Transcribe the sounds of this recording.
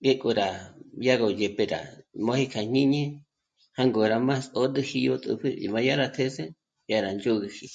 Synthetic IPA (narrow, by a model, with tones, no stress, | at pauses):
ɡe˦kʼu˧ɾa˨ja˦ɣo˨je˨pe˧ɾa̰˨mõ˦hi˦kʰa˨ɲ̥ɲĩ˦ɲẽ˦ | ha˦ŋɡo˨ɾa˨ma˦so˦d̪ɨ˦hi˧jo˦t̪ʼṵ˧pʰɨ̰˦˨ma˧ja˦ɾa˧t̪ʰe˦se˦ | ja˧ɾa˨nd͡ʒo˦ɣi˧hi˧